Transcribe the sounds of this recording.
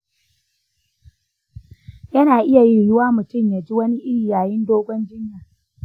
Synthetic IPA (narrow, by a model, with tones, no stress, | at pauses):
jɐ˦naː˨ʔɪ˦ja˨ji˦jʊ˦waː˦mʊ˨tʊ˦˨mjaː˨d͡ʒi˦wɐ˦ni˦ʔɪ˦jaː˨jɪ˦ndoː˦ɡʷɔ˦nd͡ʒɪ˦ɲjaː˨